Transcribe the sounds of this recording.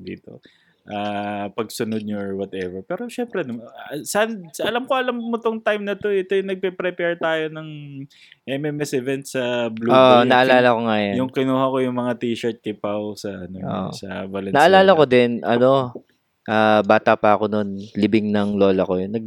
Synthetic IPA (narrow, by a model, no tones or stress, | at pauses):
d̪ḭːt̪o̞̰ | ʔaːpɐɡsʊnod̪̚noɹwɔt̪ɛvɛɹpɛːɾo̞ʃɛmpɾɛnɐsnd̪sɐʔɐlɐmkoɐlɐmːot̪oŋt̪ajmnɐt̪o̞ʔɛt̪ojʊŋnɐɡ̚pɛpɾɛpɛɹt̪aːjo̞nɐŋ | ʔɛmɛmɛsɪvɛnt̪sɐbluoʔnɐʔɐlaːlɐko̞ŋajanjʊŋkɪnuːhɐkojʊŋmɐŋat̪iːʃɛɹt̪̚kɪpawsɐʔɐnojo̰sɐ̰bɐlɛnɐʔɐlaːlɐko̞d̪ɛnʔɐno̞ | ʔaːbaːt̪ɐpɐɐko̞nonlɪbɪŋnɐŋlo̞ːlɐkojnːɐɡ̚